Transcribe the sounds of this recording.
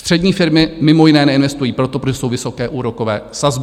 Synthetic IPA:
st̪r̥ɛdɲiːfɪɾmɪmɪmo̞jɪnɛːnɛɪnvɛst̪ujiːpɾot̪opɾoʒɛso̞wvɪso̞kɛːʔuːɾoko̞vɛːsazb

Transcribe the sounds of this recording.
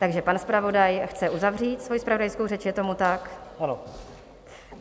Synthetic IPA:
t̪aɡʒɛpanspɾavo̞dajxt͡sɛʔuzavriːt̪svo̞jispɾavo̞dajskowrɛt͡ʃjɛt̪o̞mut̪akhano

